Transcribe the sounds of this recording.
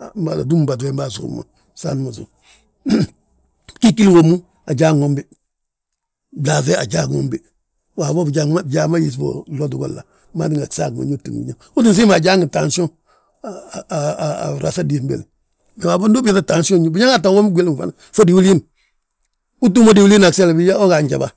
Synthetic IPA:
mba̰˨la̰˨du˦m˨ba˨t̬e˦mba˦˨sṵ˨˦ma̰˨ | sa̰˦n˦ma˨zṵ˨ | ki˦ki˦lwo˨mu˦ | a˨d͡ʒa˦ŋo˨˦mbi˦ | bla˨ze˦a̰˨d͡ʒa˦ɡo̰˨mbi˦ | wa˨bo˦bd͡ʒa˦a˦˨d͡ʒa˦ma˦ji˦s̬bo̰˨lo˦tu˨ɡo̰˦˨lːa̰˨ | ma̰˦di˦ŋa˨ksa˦˨ɡo̰˨ɲo˦tṵ˨ŋ˨ḭ˦ɲa˦˨ | u˦ti˦ns̬i˦ma˨d͡ʒa˦ŋɡi˨ta˨nso˦˨ | ɾa̰˨sa˦di˨m˦bḛ˨l | ɡa˨wa˨bo˦ndo˦bta˦ta˨nso˦ɲu˦bi˦ɲa˦ŋ˦a˦ta˨wo˦mi˦ɡʷe˦lm˨fa̰˦na˨ | fo˦di˨wu˦li˦n | u˦tu˦mo˦di˨wu˦li˦na˨kse˦la˨bi˦ja˦o˦ɡa˨ɲd͡ʒa̰˨ba˦

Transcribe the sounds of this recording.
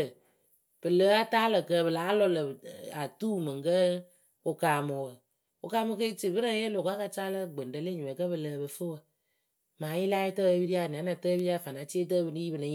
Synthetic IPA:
ə˨ | b̥ɨ˨ləː˨˦a˦taː˦lə˨kə˧˦bɨ˨laː˨˦lɔ˧lə˨a˨tuː˦mɨ˨ŋ˨kə˦ | ʊ˧kaː˨mo˨wə˨ | ʊ̰˨kaː˧˦mo˧kə˦t͡ʃɨ˨bɨ˦ɾə˦je˦lo˨ka˦ka˧t͡ʃaː˦lə˦ɡ͡bə˨n˨də˧˦le˦ɲu˨mɛ˨kə˦bɨ˧˨ləː˧˦bɨ˧fɨ˦wə˧ | maː˨˦jɪ˦la˦jtə˦˧˦bi˦ɾi˦a˦˨ni˨a˨˦na˨˧tə˦bi˦ɾi˦a˦˨fa˨na˨˦t͡ʃi˦e˦t̬ə˦bɨ˧nɨ˦ji˦bɨ˨nɨ˨˦

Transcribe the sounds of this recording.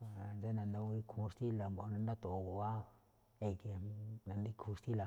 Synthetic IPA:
d͡ʒe˦na˨nd̪o˧wi˧kʰu˧st̪i˦la˨mbo˨˧nã˧nd̪a˦t̪o˨˧˨ɡo˨a˦˨ | e˧ke˧na˨nd̪i˦kʰu˧st̪i˦la˨

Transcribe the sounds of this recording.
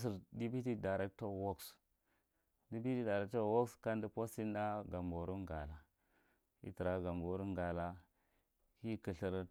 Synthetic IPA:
s̬i˨ɾdi˦bi˦ti˦da˨ɾe˦k̚to˦ɾwo˦ks | di˦bi˦ti˦da˨ɾe˨k̚to˦wo˦kska˦ndi˦po˦si˦n˦da˦ɡa˨mbo˨ɾu˦ɡa˨la˨ | ḭ˦tə˨ɾa˨˦ɡa˨mbo˨˦ɾu˦ŋɡa˨la˦ | hi˦kə˨ɬi˦˨ɾ

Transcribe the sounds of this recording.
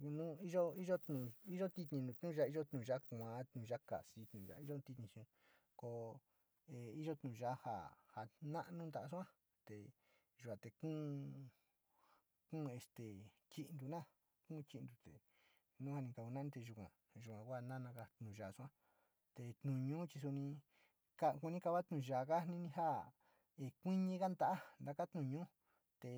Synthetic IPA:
nũ˦i˦ʒo˦i˦ʒo˦t̪nũ˧˨i˦ʒo˦t̪i˧t̪ɲĩ˧nũ˧t̪nũ˦ʒa˧˦i˦ʒo˦t̪nũː˨˧ʒa˦kã˨˧˦t̪nũ˨ʒa˦ka̰˨si˧˦t̪nũ˨ʒa̰˧˨i˦ʒo˦˧t̪i˧t̪ɲĩ˧ʃĩ˧ | ko˧ | e˧i˦ʒo˦t̪nũ˨˧ʒa˦ha̰˨ha˨nã˦ʔnũ˦nd̪a˧˨ʔsã˦ | t̪e˨ | ʒu˨a˨t̪e˨˧kũː˦ | kũː˦˧e˧st̪e˨t͡ʃi˧ʔnd̪u˧nã˦˨ | kũː˦˧t͡ʃi˧nd̪u˧t̪ḛ˨ | nũ˦ha˧nĩ˧ka˧˨ku˧nã˦nĩ˧t̪e˧ʒu˧kʷã̰˨ | ʒu˨kʷã˨kʷa˦˧˨nã˦nã˧ka˧t̪nũ˨ʒa˨su˦˧ã˦ | t̪e˧t̪nũ˨ɲũː˦t͡ʃi˧s̬u˧nĩ˧ | ka˧ku˧nĩ˦ka˧βa˦t̪nũ˧˨˧ʒa˨ka˦nĩ˦nĩ˧ɦa˦˨ | e˧kʷĩ˦ɲĩ˧ka˦nd̪a˧˨ʔa˦nd̪a˧ka˦t̪nũ˧˨˧ɲũː˦ | t̪e˧˨

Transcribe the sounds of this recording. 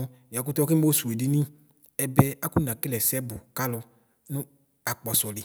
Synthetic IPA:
ja˨k̬u˦t̪ɔ˦ki˦o˦su˨e˨di˨nĩ˦ | ɛ˨bɛ˧a˦ku˦n˨ã˨ki˦lɛ˨sɛ˦bʊ˨ka˦lɔ˧ | nʊ̃˦ | a˨k͡pɔ˨sɔ˨lɪ˨

